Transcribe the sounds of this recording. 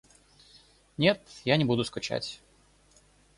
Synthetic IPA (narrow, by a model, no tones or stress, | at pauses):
nʲe̞t̪janʲɪbud̪ʊskʊt͡ɕæ̰tʲ